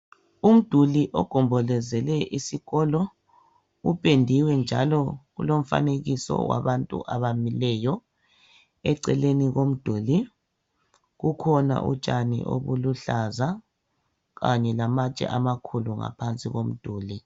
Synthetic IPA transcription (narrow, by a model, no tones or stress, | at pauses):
um̩d̥ʱuliʔɔɡ̥ʱɔmbʱɔlɛzɛlɛʔisiɣɔlɔ | upʼendʱiwɛnd͡ʒʱalɔɣulom̩fa̰neɣisɔ̰wa̰βantʼṵʔaβamilɛjɔ | ɛǀɛleniɣom̩d̥ʱuːli | ɣukʰɔna̰ʔṵt͡ʃʼanḭʔo̰βuluɬaza | ɣaɲɛlamat͡ʃʼɛ̰ʔamakʰuluŋa̰pʰant͡sʼiɣom̩d̥ʱuːli